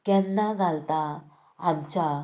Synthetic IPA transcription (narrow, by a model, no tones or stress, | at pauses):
kɛnːaɡʱalt̪aː | mt͡ɕa